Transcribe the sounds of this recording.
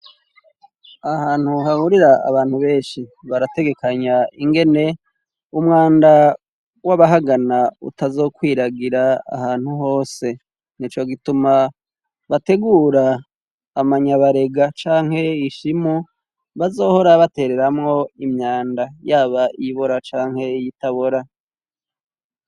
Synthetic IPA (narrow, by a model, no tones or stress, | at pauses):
ahaːn̥huhahuɾiɾaa̰βaːn̥huβe̞ːnʃiβaɾate̞ɡe̞kaɲaiŋɡe̞ne̞ | umŋaːnda | waβaɦaɡanaṵtazo̞ːkwiːɾaɡiɾa̰ːhaːn̥huɦo̞ːse̞ | nit͡ʃo̞ɡituma | βate̞ɡuːɾaː | maɲaβaɾe̞ɡat͡ʃaːŋ̥he̞iʃimu | βazo̞ːho̞ɾaβate̞ːɾe̞ɾamŋo̞imɲaːndajaːβaiβoɾat͡ʃaːŋhe̞jitaβoɾa